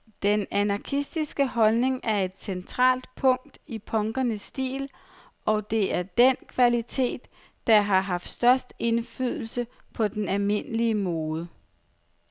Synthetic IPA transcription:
d̥enænɑ̈kʰisd̥isɡ̥əɦɒ̽lne̝ŋæɐe̝d̥sent͡sʰʁɑ̰̈ːld̥pʰɔ̽ŋ̰d̥ipʰɒ̽ŋɡ̥ɐnəsːd̥ḭːl | ɒ̽d̥e̝æɐd̥enkʰʋælit͡sʰe̝̰ːd̥ː | ɑ̈ɦɑ̈ɦɑ̈fd̥sd̥ɶɐsd̥e̝nfy̰ð̰ˠl̩səpʰɒ̽d̥enælme̝n̰əliəmɔːðˠə

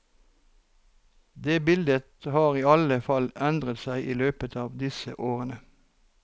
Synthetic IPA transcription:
d̪eːbɪld̪ət̪hɑːʁiːɑləfɑlɛnd̪ʁət̪sæɪʔiːløːpət̪ʰɑːʋd̪ɪsə̰ʔoːʁənə

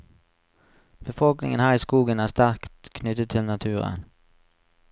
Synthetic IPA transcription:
b̥əfɔlknɪ̰ŋənhæːʁiːskuːɡənæːʁst̪æʁkt̪kʰnʏt̪ət̪ʰɪlnɑt̪ʰʉːʁə̰n

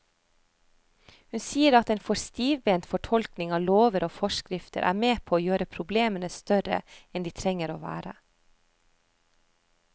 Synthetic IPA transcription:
hʉnsiːəɾɑt̪eːnfɔɾst̪iːʋbeːnt̪fɔʈʰɔlknɪŋɑːloːʋəɾoːfɔʃkɾɪft̪ə̰ɾʔæ̰ːɾmeːpʰoːoːjøːɾəpʰɾʊbleːmənəst̪œɾə̰ɛnd̪iːt̪ʰɾɛŋəɾoːʋæ̰ːɾə̰

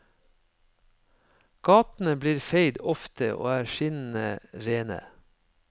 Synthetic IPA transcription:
ɡ̥ɑːt̪n̩əbliːɾfeɪd̪ɔft̪əʔo̰ːæːʃɪnn̩əɾeːnə̰

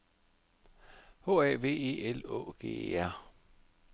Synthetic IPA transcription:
ho̝̰ːæʋe̝̰ːe̝̰ːelo̰ːɡ̥e̝̰ːæɐ̰

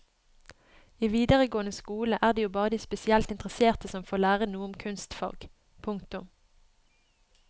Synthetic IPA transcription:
iːʋiːd̪əʁəɡoːənəskuːləʔæːʁd̪eːjuːbɑːʁəd̪iːspɛsɪɛlt̪ɪnt̪ʁəseːʁt̪əsɔmfoːʁlæːʁənuːəʊmkʰʉnst̪fɑ̰ʁɡ | pʰʊŋkt̪ʊm

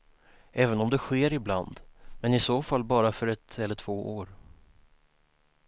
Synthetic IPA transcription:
ʔɛːvənɔmd̪ɛɧeːɾɪbland̪mɛnɪsoːfalːbɑːɾafœɾɛt̪ɛlːəʈʰv̥oːʔoːɾ

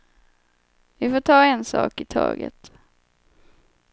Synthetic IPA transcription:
vɪfoːʈʰɑːɛnsɑ̰ːkɪt̪ʰɑ̰ːɡə̰t̪

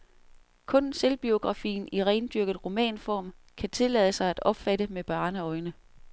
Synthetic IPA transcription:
kʰɔ̽nselb̥io̝ɡ̥ʁɑ̈fḭːn̩iʁɛɪnd̥yɐɡ̥ð̩ˠʁo̝mɛ̰ːnfɒ̰ːm | kʰæt͡sʰe̝lɛ̰ðˠəsɑ̈ɪæd̥ɒ̽b̥fæɾ̥əmeb̥ɑ̈ːnəɒ̽ɪnə

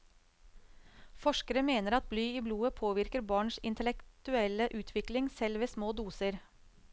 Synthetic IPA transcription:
fɔʂkəɾəmeːnəɾɑt̪̚blyːiːbluːəpʰoːʋɪɾkəɾbɑːɳʃɪnt̪ʰəlɛkt̪ʉɛləʔʉːt̪ʰʋɪklɪŋsɛlʋeːsmoːd̪uːsəɾ

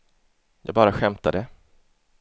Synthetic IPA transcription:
jɑːɡ̚bɑːɾaɧɛmt̪ad̪ə

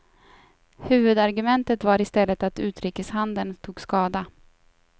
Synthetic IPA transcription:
hʉ̟ːvɵd̪aɾɡɵmɛnt̪ət̪vaɾɪst̪ɛlːət̪at̪ʉ̟ːt̪ɾiːkəshand̪ənt̪ʰuːɡskɑːd̪a

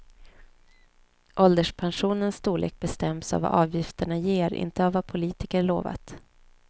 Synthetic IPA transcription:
ʔɔld̪əʂpʰanɧuːnənsːt̪uːlɭʔḛːk̚bɛst̪ɛmsa̰va̰ʔɑːvjɪft̪əɳajeːɾɪ̰nt̪əavːapʰʊliːt̪ɪkəɾɭoːva̰t̪

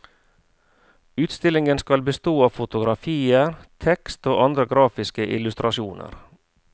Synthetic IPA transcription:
ʉːt̪st̪ɪlɪŋənskɑlbəst̪oːɑːʋfʊt̪ʊɡɾɑfiːəɾt̪ʰɛkst̪oːʔɑnd̪ɾəɡɾɑːfɪskəʔɪ̰lʉst̪ɾɑʃuːnə̰ɾ

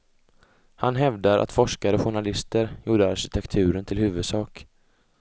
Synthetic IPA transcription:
hanɦɛvd̪aɾʔa̰t̪fɔʂkaɾəɔɧʊɳalɪst̪əɾjuːɖəaɾɕɪt̪ʰɛkt̪ʰʉ̟ːɾənt̪ʰɪlhʉ̟ːvɵd̪sɑːk

